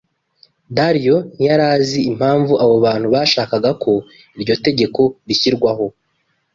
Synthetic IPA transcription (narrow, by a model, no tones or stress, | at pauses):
daɾijo̞nijaɾaːziim̥haːɱvuʔaβo̞βaːn̥huβaːʃaːkaɡakʰo̞ | iɾɟo̞te̞ɟe̞ko̞βiçiɾɡwaɦo̞